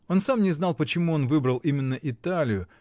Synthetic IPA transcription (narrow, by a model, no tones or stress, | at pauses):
o̞nsamnʲɪznɑlˠpət͡ɕɪmuo̞nvɨbɾəlˠimʲɪnːəʔɪt̪alʲɪjʊ